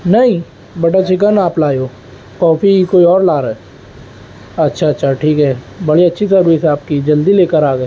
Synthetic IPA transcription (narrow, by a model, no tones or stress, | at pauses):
nɐɦĩ | bɐʈat͡ʃɪk̬ənaːplaːjoː | kɔːfikoːiɔːɾlaːɾɛː | ɐtːʃʰaɐtːʃʰaʈʰiːkɦɛː | bɐɽiɐtːʃʰisɐɾʋiːsɦɛaːp̚kid͡ʒɐld̪ileːkəɾaːɡəeː